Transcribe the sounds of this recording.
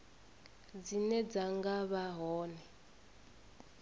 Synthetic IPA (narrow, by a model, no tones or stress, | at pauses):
d͡zinɛd͡zaŋɡaβaɦɔːnɛ